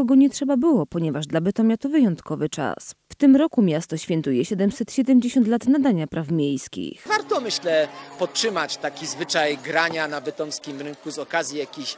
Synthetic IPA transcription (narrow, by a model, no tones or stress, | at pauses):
kɔɡɔɲɛtʂɛbabɘwɔpɔɲɛvaʐd̪labɛt̪ɔmʲjat̪ɔvɘjɔnt̪kɔvɘt͡ʂa̰sft̪ɘmɾɔkumʲjast̪ɔɕfʲjɛnt̪ujɛɕɛd̪ɛmsɛt̪ɕɛd̪ɛmd͡ʑeɕɔnt̪lat̪nad̪aɲapɾʔafmʲjejskʲḭxvaɾt̪ɔmɘɕlɛpɔttʂɘmat͡ɕt̪akʲizvɘt͡ʂajɡɾaɲanavɛt̪ɔmskʲimɾɘŋkuzɔkazʲjijakʲiɕ